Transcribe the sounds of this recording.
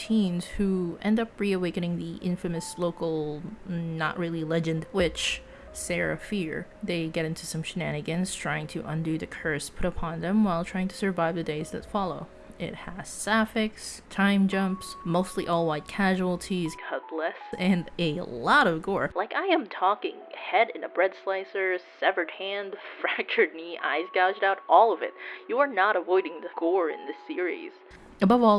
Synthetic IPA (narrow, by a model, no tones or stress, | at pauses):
tʰĩnz̥huɛ̃ndʌpɹiɨweɪkɨ̃nɪ̃ŋðiʔɪ̃ɱfɨmɨsloʊkl̩ˠ | nə̰ʔɹɪlˠilɛd͡ʒɨ̃ndwɪt͡ʃ | sɛɹɨ̰fɪɹ | ðeɪɡɛɾɪ̃ntʰʉsʌ̃mʃɨnæɾ̃ɨɡɨ̃nz̥tʰɹ̥aɪɪ̃ŋtʰɨʔʌ̃ndʉðɨkʰɜ˞spʰʊɾəpʰɑ̃nðɨ̃mwaɪlˠtʰɹ̥aɪɪ̃ŋtʰɨ̥sə˞vaɪvðɨdeɪzðɨ̰tfɑlˠoʊ | ɪ̰t̚həz̥sæfɪkstʰãɪ̃md͡ʒʌ̃mpsmoʊstˡliʔɔlˠwaɪt̚kʰæʒul̩ˠtʰiz̥kʰʌplɛsɨ̃nɨlɔɾʌvɡɔɹlaɪkaɪɨ̃mtʰɔkɪ̰̃ŋhɛɾɨ̰̃nəbɹɛd̥slaɪsə˞sɛvə˞d̚hæ̃nd̥fɹækə˞dⁿniʔa̰ɪzɡæʊd͡ʒdaʊɾʔɔlˠʌvɪ̰t̚jɨə˞nəɾəvɔɪɾɪ̃ŋðɨɡ̥ɔɹɪ̰̃nðɨsɪɹḭz̥ | ɨbʌvɔ